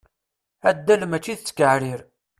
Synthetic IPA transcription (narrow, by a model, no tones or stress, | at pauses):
æd̪ːælmæt͡ʃːiθt͡sːə̥kəʕɾiɾ